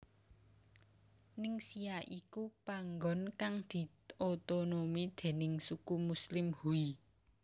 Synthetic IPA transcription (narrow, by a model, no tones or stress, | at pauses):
nɪŋsiaʔikupaŋɡɔ̤nkaŋd̪̥i̤ | ot̪onomid̪̥e̤nɪŋsukumuslɪmhui